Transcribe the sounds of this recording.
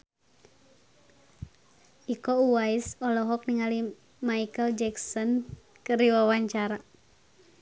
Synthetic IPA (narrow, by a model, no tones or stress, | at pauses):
ikɔuwaisɔlɔɦɔk̚niŋali | maikəld͡ʒɛksɔn | kɨɾiwawaɲt͡ʃaɾa